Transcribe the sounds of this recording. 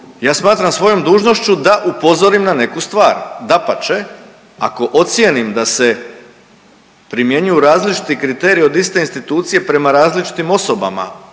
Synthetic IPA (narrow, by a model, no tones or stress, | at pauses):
jaːsmaːt̪ɾamsʋo̞jo̞md̪uːʒno̞ʃt͡ɕud̪aʔupo̞zo̞ɾimnane̞kust̪ʋaːɾd̪apat͡ʃe | a̰ko̞ʔot̪sje̞nimd̪ase̞ | pɾimje̞ɲujuɾaːzlit͡ʃi̥t̪ikɾit̪e̞ːɾio̞d̪ist̪e̞inst̪it̪uːt̪sije̞pɾe̞maɾaːzlit͡ʃi̥t̪imo̞so̞ba̰ma̰